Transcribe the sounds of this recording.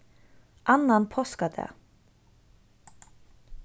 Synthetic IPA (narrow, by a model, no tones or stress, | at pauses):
ʔanːanpʰɔskad̪ɛ̰